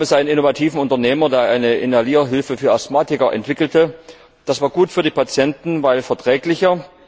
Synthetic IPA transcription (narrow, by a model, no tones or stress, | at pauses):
bɛsʔaɪnənɪnovatʰiːvn̩ʊntɐneːmɐdeːɐʔaɪnəʔɪnaliːɐɦɪlfəfyːɐasmaːtɪkɐʔɛ̰ntv̥ɪkl̩tə | d̥asv̥aːɐɡuːtfyːɐdiːpat͡sjɛntn̩vaɪlfɛɐtʁ̥ɛːklɪçɐ